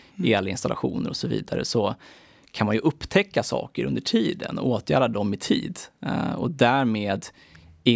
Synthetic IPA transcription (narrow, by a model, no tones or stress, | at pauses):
eːalːaɪnst̪alʔa̰ɧuːnəɾɔsɔvḭːd̪aɾə̰sɔ | kʰanmanjɵʔɵpːt̪ʰɛkːasɑ̰ːkəɾɵ̰nd̪əʈʰiːd̪ə̰nɔoːt̪jæːɾad̪ɔmːɪt̪ʰiːd̪ɔd̪æːɾmeːd̪ | ɪ